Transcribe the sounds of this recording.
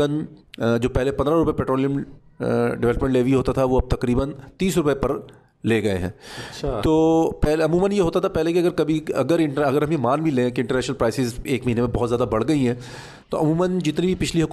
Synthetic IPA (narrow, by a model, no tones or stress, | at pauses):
ənd͡ʒoːpɛɦlepɐ̃nd̪ɾaɾʊpəepɛːʈɾoːlijəm | ɖɪʋɛləpmẽɳʈleːʋiɦoːt̪at̪ʰaʋoɐb̚t̪ɐkɾiːbənt̪iːsɾʊpepɐɾ | leːɡɐḛɦɛ̰̃ːt̪oːpɛːlɐmuːmʋənjeɦoːt̪at̪ʰapɛɦlekiɐɡəɾkɐbʱiɐɡəɾɪ̃ɳʈəɐɡəɾɦɐmjemaːnbʱilẽːkiɪ̃ɳʈəɾnɛːʃənəlpɾaːɪsɪzeːkmɐɦiːnemẽbɔɦɔt̪zjaːd̪abɐɽɡɐiɦɛ̃ː | t̪oɐmuːmənd͡ʒɪt̪nibʱipɪt͡ʃʰliɦɐk